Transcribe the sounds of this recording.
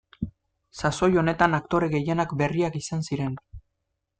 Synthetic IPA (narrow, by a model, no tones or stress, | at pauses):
saso̞jo̞ne̞t̪anakt̪o̞ɾe̞ɣe̞je̞nakbe̞riakisansiɾe̞n